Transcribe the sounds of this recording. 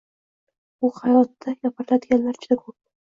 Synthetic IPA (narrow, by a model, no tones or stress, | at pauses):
ʊχɑjɒt̪ːajapʰaɾɪlad̪ɪɡʲanlaɾt͡ʃʰd̪akʰop̚